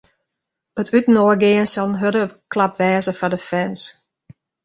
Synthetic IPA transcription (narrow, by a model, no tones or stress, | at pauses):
ətʰytən̩oəɡɪːənsɔlˠənɦødəklapʋɛːzəfɔdəfɛns